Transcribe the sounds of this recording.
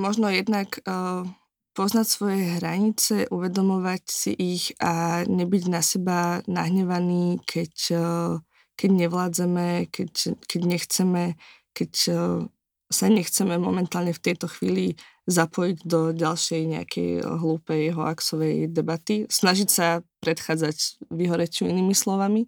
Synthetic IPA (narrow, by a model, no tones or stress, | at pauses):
mɔʒnɔjɛd̪nakː | pɔznacsʋɔjɛɦɾaɲit͡sɛʔuʋɛd̪ɔmɔʋacsḭʔiɣaɲɛbiɟnasɛbanaɦɲɛʋaniːkʰɛc | kɛɟɲɛʋlaːd͡zɛmɛkɛckɛɟɲɛxt͡sɛmɛ | kɛc | saɲɛxt͡sɛmɛmɔ̰mɛnt̪aːlɲɛft̪ɛjt̪ɔxʋḭːli | zapɔjiɟd̪ɔɟalʃɛjɲɛa̰kʰɛ̰jɦluːpɛjɦɔaksɔʋɛjd̪ɛbat̪isnaʒicsapɾɛt̪xaːd͡zacʋiɦɔɾɛt͡ʃuḭniːmislɔʋami